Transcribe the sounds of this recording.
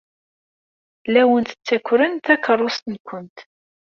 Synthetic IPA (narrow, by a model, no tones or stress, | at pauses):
læwənt̪ə̥t͡sːækʷːɾənt̪ækərˤːost̪nkʷənt̪